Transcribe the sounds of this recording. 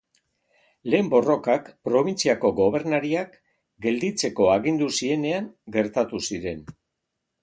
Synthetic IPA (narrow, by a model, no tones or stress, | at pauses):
le̞ːmbo̞ro̞kakpɾo̞β̞int͡siako̞ɡo̞β̞e̞ɾnaɾiak | ɡe̞ld̪it͡se̞ko̞aɣind̪usie̞ne̞aŋɡe̞ɾt̪at̪usiɾe̞n